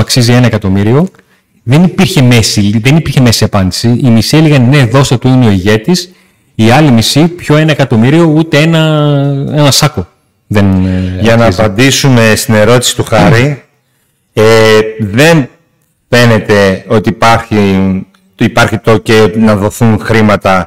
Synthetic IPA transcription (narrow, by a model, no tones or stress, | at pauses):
ɐksizie̞nɐe̞kɐt̪o̞miɾio̞ | ðe̞nipiɾçe̞me̞silðe̞nipiɾçe̞me̞siɐpɐnd̪i̥siimisieliɣɐnne̞ðo̞sɐt̪uineo̞iʝe̞t̪is | iɐlimisipço̞e̞nɐekɐt̪o̞miɾio̞ut̪e̞e̞nɐ | e̞nɐsɐko | ðe̞nʝɐnnɐːzpɐnd̪isume̞st̪ine̞ɾo̞t̪i̥si̥t̪uxɐɾi | eðe̞n | fe̞ne̞t̪e̞o̞t̪iːpɐɾçi | ipɐɾçit̪oceonɐðo̞θunxɾimɐt̪ɐ